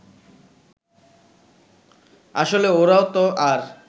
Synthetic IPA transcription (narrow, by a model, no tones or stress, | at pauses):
a̰ʃoleoɾaot̪oʔaɾ